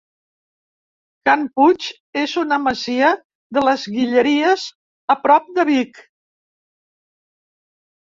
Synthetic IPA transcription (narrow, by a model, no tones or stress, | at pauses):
kamput͡ʃ | ezunəməziə | ðələzɣiʎəɾiəz | əpɾɔp̚d̪əβik